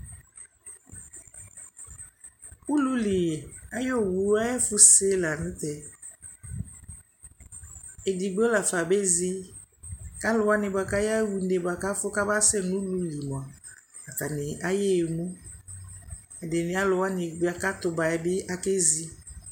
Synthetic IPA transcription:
u˦lu˦li˨a˦jo˦˨wu˨˦a˦jɛ˦fʊ˦se˦la˨nʊ̃˦tɛ˨ | e˨di˨ɡ͡bo˦la˨fa˨be˦zi˦ | ka˦lʊ˨˦wa˦nɪ˨ba˨ka˦ja˦wu˨˦n˦de˨ba˨ka˦fʊ˦ka˦ba˦sɛ˦˨nũ˦lu˦li˨mɔ˨a˨ | a˨ta˨nɪ˨a˦je˦˨mu˦ | a˨de˨nɪ˨˦a˦lʊ˨wa˦nɪ˨ɡ͡ba˨ka˦tʊ˨ba˨ɛ˨bɪ˦a˦ke˦zi˦

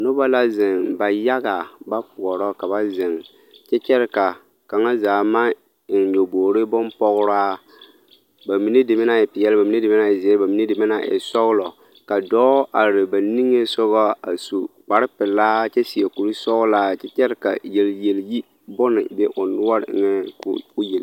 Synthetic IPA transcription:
nʊ˦ba˦la˦zɪ˨nba˨ja˦ɣa˨ba˦pʊ˨ɔ˨ɾɔ˦ka˨ba˦zɪ˨ŋ | t͡ʃɛ˦t͡ʃɛ˦ɾɪ˦ka˨ | ka˨ŋa˦zaː˨ma˦˨ | ɲo˨boː˨ɾɪ˦bʊ˦npɔ˦ɣʊ˦ɾaː˦ | ba˨mi˨ne˦dɪ˨mɪ˦na˦˨jɛ˨pɪ˨jɛ˦lba˨mi˨ne˦dɪ˨mɪ˦na˦˨jɛ˨zi˨ɛ˦lba˨mi˨ne˦dɪ˨mɛ˦na˦˨ɛ̰˨sɔ˦ɣlɔ˨ | ka˨dɔː˦ʔa˨ɾɪ˨ba˨ni˦ŋe˦sʊ˦ɣɔ˦a˨su˨k͡pa˨ɾɪ˦pɪ˨laː˦t͡ʃɛ˦si˨e˨ku˨ɾi˦sɔ˦ɣlaː˦t͡ʃɛ˦t͡ʃɛ˦ɾɪ˦ka̰˨jɛ˨lje˨lji˦ | bʊ˦nɪ˨bɛ˦ʔʊ˨nʊ˦a˦ɾɪ̰˦˨ŋɛ̰˦kʊ˦je˨l

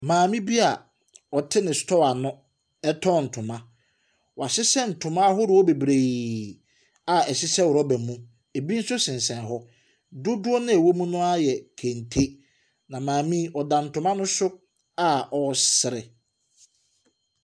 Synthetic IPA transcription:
mãː˨mĩ˦bi˦a˨ | ɔ˨tʰɪ˦nɪ̃˨stʰɔ˦wa˨nʊ̃˦ | ɛ˦tʰɔ˦˨n̩˨tʰʊ̃˨mã˦ | wɔ˨a˨sɪ˦sɛ˦n̩˨tʰʊ̃˨mã˦ɦɔ˦ɾɪ˨wɔ˦be˨bɾe˨ | a˨ɛ˨sɪ˦sɛ˦wʊ˨ɾɔ˦bɛ˨mũ˦ | e˨bi˦n̩˦sʊ˦sɪ̃˨nsɛ̃˨nɦɔ˦ | dʊ˦dʊ˦ɔ˦nɪ̃˦æ˨wo˦mũ˦nʊ̃˦a˦jɛ˨kʰẽ˨ntʰe˦ | nã˨mãː˨mĩ˦ɔ˨dã˨n̩˨tʰʊ̃˨mã˦nʊ̃˦sʊ˦ | a˦˨ɔ˨sɪ˨ɾɪ˨

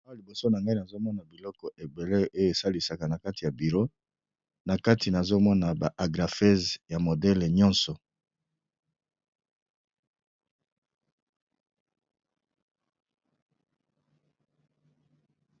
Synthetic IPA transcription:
a˦a˦li˨bo˨so˦na˨ŋɡa˦i˦na˨zo˦mɔ˦na˨bi˨lɔ˦kɔ˨ʔe˨be˨le˦o˦jo˨e˨sa˦li˨sa˨ka˨na˨ka˦ti˨ja˨bi˨ʁo˦ | na˨ka˦tʰi˨na˨zo˦mɔ˦na˨ba˨ʔa˨ɡʁa˨fɛ˦zja˨mo˨dɛ˦le˨ɲɔ̃˦nsɔ˨

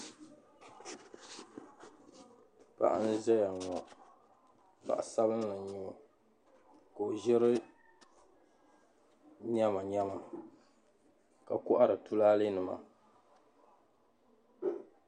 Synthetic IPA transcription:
pa̰˦ʔa̰˦n̩˦zɛ˦ja˨ŋɔ˨ | pa̰˨ʔa˨sa˦bɨ˦n˦la˨ɲɛ˨o˨ | ko˨ʒɛ˦ɾɨ˦ | ɲɛ˦ma˨ɲɛ˦ma˨ | ka˨kʊ˦ʔa˦ɾɨ˨tu˦laː˦lɨ˦nɨ˨ma̰˨

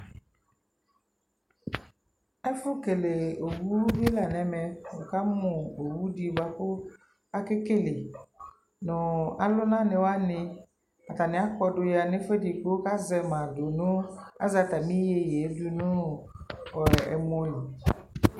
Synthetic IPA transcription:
ɛ˦fʊ˦ke˨le˨o˨wu˦vi˦la˨nɛ˨mɛ˨wʊ˨ka˦mʊ̃˨o˨wu˦di˨ba˦kʊ˦ | a˦kɪ˦ke˦lɪ˨ | nʊ̃˨a˨lʊ˦nã˦nɪ̃˨wa˦nɪ̃˦ | a˨ta˨nɪ̃˦a˦kɔ˦dʊ˨ja˨nɪ̃˦fɛ˦di˨ko˦ka˦zɛ˨mã˨dʊ˨nʊ̃˦a̰˦za˨ta˨mĩ˦je˨jɛ˨˦dʊ˦nʊ̃˦ | ɔ˨ɛ̰˨mʊ˦lu˨

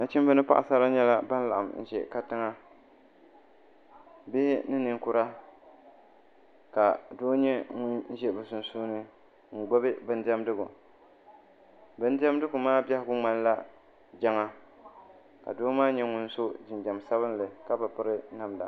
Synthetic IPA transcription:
na˨t͡ʃi˦m˦bɨ˦nɨ˦pa̰˦ʔa˨sa˦la˦ɲɛ˦la˦ba˦n˦la˨ʔa̰˨mn̩˨ʒɛ̰˨ka˦tɨ˦ŋa˦ | bɪ˦hɪ˦nɨ˦nɨ˨ŋkʊ˦ɾa˦ | ka˨doː˦ɲɛ˦ŋʊ˦nn̩˦ʒɛ˦bɨ˨sʊ˨nsuː˦nɨ˦ | ŋ̩˨ɡ͡bo˦bɨ˦bɨ˦n˦dɛ˦mdɨ˦ɡʊ̰˨ | bɨ˦n˦dɛ˦mdɨ˦ɡʊ˨maː˦ba˦hɪ˦ɡʊ˦ŋ͡ma˨n˦la˦ | d͡ʒa˦ŋa˦ | ka̰˨doː˦maː˦ɲɛ˦ŋʊ˦n˦so˦d͡ʒɪ˨nd͡ʒa˨msa˦βɨ˦n˦lɨ˨ka˦ba˨pɨ˦ɾɨ˦na˨mda̰˨

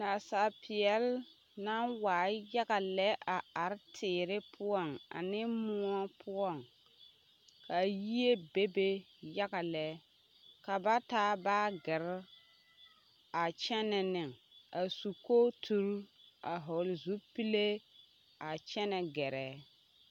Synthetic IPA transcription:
na˨sa˨pʰɪ˨ɛ˨˦l | na˦nwaː˨˦˨ja˦ɣa˨lɛ˦ʔa˨a˨ɾtʰɪː˨ɾɪ˦pʰʊ˦ɔ˦˨ŋa̰˨nɪ˦mʊ˦a˦pʰʊ˦ɔ˨ŋ | ka˨ji˦e˦be˦be˦ | ja˦ɡa˨lɛ˦ | ka˨ba˦taː˦baː˦ɡɪ˨ɾ | a˨t͡ʃɛ˦nɛ˨nɪ˨ŋa˨su˨ko˦tʰu˨˦ɾa˨ɦɔ˨lzu˦pi˦le˦ | a˨t͡ʃɛ˦nɛ˨ɡɛ˨ɾɛː˨˦

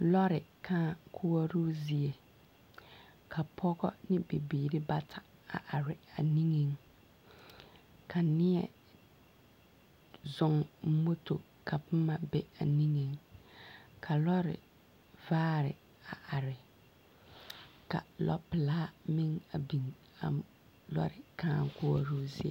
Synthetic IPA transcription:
lɔ˦ɾɪ˨kʰãː˦kʰu˦wɔ˦ɾu˦zi˨e˨ | kʰa˨pʰɔ˦ɡɔ˦nɪ˦be˨biː˨ɾɪ˦ba˦tʰa˨a̰˨ʔa˨ɾɪ˨a˨nĩ˦ŋe˨ŋ | kʰa˨nɪ˦ɛ̰˦˨ | zʊ˨ŋ̩˦mo˦to˨ | kʰa˨pɨ˦ma˨bɛ˦a˨ni˦ŋe˨ŋ | kʰa˨lɔ˦ɾɪ̰˨ | vaː˦ɾɪ̰˨ | a˨ʔa˨ɾɪ˨ | ka̰˨lɔ̰˦pɪ˨laː˦mɪ˦ŋa˨bi˨ŋ | a̰˨ | lɔ̰˦ɾɪ˨kãː˦˨ŋ˦kʊ˦ɔ˨ɾu˦zi˦ḛ˨

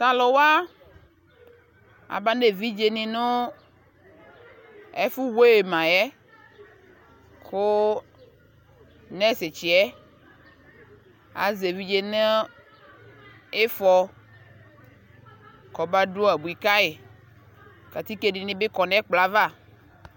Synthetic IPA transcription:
sa˨lo˨wa˦ | a̰˨ba˦ne˨vi˦d͡ʒe˨nĩ˨nõ˦ | ɛ˦fu˦wo˦e˨mã˨jɛ˦ | ko˦ | nɛ̃˦se˨t͡ʃi˨ɛ˦ | a̰˨ze˨vi˦d͡ʒe˦nẽ˦ | e˦fɔ˦ | kɔ˨ba˦ɖo˦a˨bu˨i˨ka˦e˨ | ka˨t̪i˦ke˦nĩ˨nĩ˦be˦kɔ˨nɛ̃˦k͡pla˨va˦˨

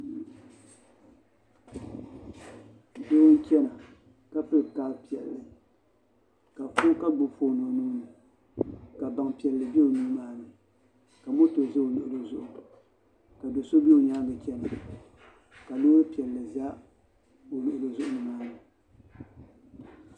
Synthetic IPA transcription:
do˦wn˦t͡ʃɛ˦na˨ | ka˦pɨ˦lka˦lpi˨ɛ̰˨lːɨ˨ | ka˨fu˦ka˦ɡ͡bʊ˨fo˦no˨nuː˦nɨ˨ | ka˨ba˨ŋpi˨ɛ˨lːɨ˨bi˦o˨nuː˦maː˨˦nɨ˨ | ka˨mo˦to˨zɨ˦o˨lʊ˨ʔʊ˨lɨ˦zʊ˨ʔʊ˨ | ka˨do˨so˦bi˦o˨ɲaː˦bɨ˨t͡ʃɛ˦na˨ | ka˨loː˦ɾɨ˦pi˨ɛ˨lːɨ˨za˦ | o˨lʊ˨ʔʊ˨lɨ˨zʊ˦ʔʊ˦nɨ˨maː˦nɨ˨

